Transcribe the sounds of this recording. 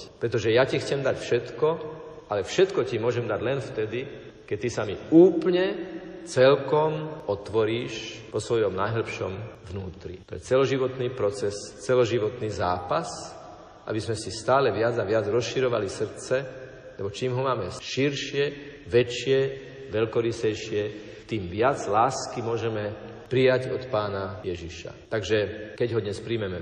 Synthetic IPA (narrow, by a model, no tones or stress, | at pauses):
pɾɛt̪ɔʒɛjacixt͡sɛmd̪acfʃɛt̪kɔalɛfʃɛt̪kɔcimʊɔʒɛmd̪aɟlɛnft̪ɛd̪i | kɛt̪isamiuːplɲɛt͡sɛlkɔmɔt̪ʋɔɾiːʃʋɔsʋɔjɔmnajɦl̩pʃɔ̰mvnuːt̪ɾḭt̪ɔjɛ̰t͡sɛlɔʒiʋɔt̪niːpɾɔt͡sɛst͡sɛlɔʒiʋɔt̪niːza̰ːpas | ʔa̰bizmɛsist̪aːlɛʋɪad͡zaʋɪad͡zɾɔsʃiɾɔʋa̰lisr̩t͡sɛ | lɛbɔt͡ʃiːmɦɔmaːmɛʃiɾʃɪɛʋɛt͡ʃɪɛ | ʋɛʎkɔɾisɛjʃɪɛ | t̪iːmʋɪad͡zlaːskimʊɔʒɛmɛ | pɾijaɟɔt̪paːnajɛʒiʃa̰t̪aɡʒɛkɛɟɦɔd̪ɲɛspɾiːmɛmɛ